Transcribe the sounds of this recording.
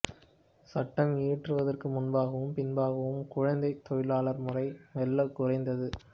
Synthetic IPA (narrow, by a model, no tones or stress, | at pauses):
sɐʈːɐmiːʈrɯʋɐðɐrkɯmʊnbaːɣɐʋɯmpɪnbaːɣɐʋɯmkʊɻɐnd̪ɐɪt̪ːɔjɪlaːɭɐɾmʊrɐɪnɐlːɐkʊrɐɪnd̪ɐðɯ